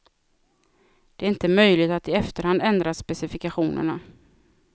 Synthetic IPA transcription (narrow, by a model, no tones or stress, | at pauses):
d̪̥ɛæɾɪnt̪əmœjlɪt̪at̪ɪɛft̪əɾhand̪ɛnd̪ɾasːpɛsɪfɪkaɧuːnə̰ɳa